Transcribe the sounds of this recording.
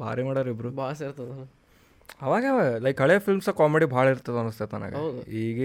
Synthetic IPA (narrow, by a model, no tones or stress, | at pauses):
bʱa̰ːɾimaːɽoːɾibɾubaːs̬ɐiɾt̪ɐd̪ | ɐʋaːɡeʋalɐjkɦɐɭejɐfʰilmsɐkaːmeɽibʱaːɭɐiɾt̪ːad̪ɐnust̪et̪a̰na̰ːɡɐwd̪uiːɡe